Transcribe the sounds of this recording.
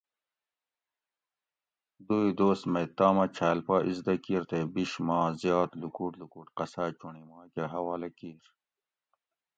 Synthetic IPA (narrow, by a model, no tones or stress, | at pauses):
d̪uid̪oːsmet̪aːmɐt͡ɕʰaːlpaːʔizd̪ɐkiːɾt̪ebiɕmaːzjaːt̪lukuːʈlukuːʈqɐsaːt͡ɕuɳimãːkeɦɐwaːlɐkiːɾ